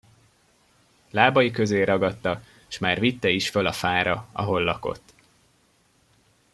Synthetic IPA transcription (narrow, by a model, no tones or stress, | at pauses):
laːbɒjikøzeːɾɒɡɒt̪ːɒ | ʃmaːrvit̪ːɛiʃfølɒfaːɾɒɒ̰ɦo̞lːɒko̞̰t̪ː